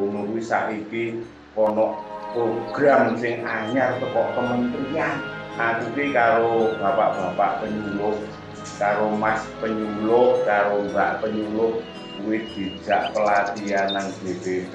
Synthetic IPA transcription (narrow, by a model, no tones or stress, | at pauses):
unuɾwisa̰ʔiki | kɔnɔʔpɾoɡ̥ɾamsɪŋaɲart̪əkɔʔt̪əmənt̪ian | ʔakukikaɾob̥a̤pa̰ʔb̥a̤pa̰ʔpəɲulʊh | kaɾomaspəɲulʊʔkaɾombaʔpəɲulʊh | kuwɪhd̪̥i̤̥d͡ʒ̥a̤ʔpəlat̪ianand̥e̤b̥e